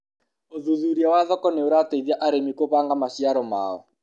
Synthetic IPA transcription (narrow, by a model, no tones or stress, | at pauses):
oðuðuɾiawaðɔkɔneoɾateðiaʔaɾemikoβaŋɡamaʃiaɾɔma̰ɔ̰